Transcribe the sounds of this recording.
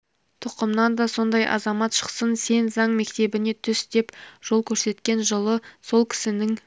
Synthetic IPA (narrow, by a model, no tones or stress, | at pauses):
t̪ʰʊqəmnɑnd̪ɑso̞nd̪ɑjʔɑ̰zɑmɑt̪ʃə̥qsənse̞nzɑɴme̞kt̪e̞bɪne̞t̪ʰʏsd̪̥e̞pʒ̥o̞lˠkʲʰɵɾse̞t̪kʲe̞nʒəlˠəso̞lˠkʲʰɪ̥sɪnɪŋ